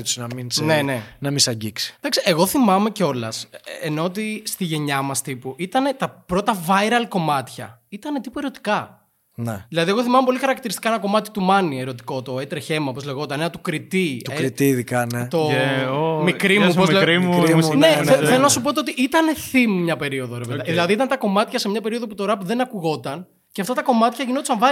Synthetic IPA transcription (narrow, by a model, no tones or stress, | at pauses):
t̪usinɐminsnenenɐmisɐɟiksi̥d̪ɐksiʔeɣo̞θimɐme̞ceo̞lɐ̰seno̞ːt̪̬ist̪iʝe̞ɲɐmɐst̪ipuʔit̪ɐne̞t̪ɐpɾo̞t̪ɐvɐjɾɐlko̞mɐt̪çɐ̰ | it̪ɐne̞t̪ipue̞ɾo̞t̪i̥kɐ | neðilɐðie̞ɣo̞θimɐmepo̞lixɐɾɐkt̪iɾist̪ikɐenɐko̞mɐt̪i̥t̪umɐnie̞ɾo̞t̪i̥ko̞t̪o̞et̪ɾeçe̞mɐopozle̞ɣot̪ɐnenɐt̪ukɾit̪iɾit̪iːðikɐnet̪oomikɾimuspozleɾmuneeðenɐsupot̪eot̪iʔit̪ɐne̞θimmɲɐpe̞ɾio̞ðoɾeveðeðiilɐðiit̪ɐnt̪ɐko̞mɐt̪çɐse̞mɲɐpe̞ɾio̞ðo̞put̪o̞ɾɐpuðe̞nɐkuɣo̞t̪ɐn | ceɐft̪ɐt̪ɐko̞mɐt̪çɐʝino̞t̪usɐɱvɐ